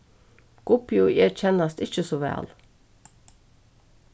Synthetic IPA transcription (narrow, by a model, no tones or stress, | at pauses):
ɡ̥ʊpɪʊʔɛc͡çɛnɑst̪ɪçəsoːʋæ̰ːl